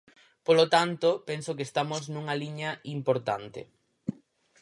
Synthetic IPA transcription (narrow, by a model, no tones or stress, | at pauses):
polot̪ant̪opensokest̪amoznũŋɐliɲɐimpoɾt̪ant̪ɪ̰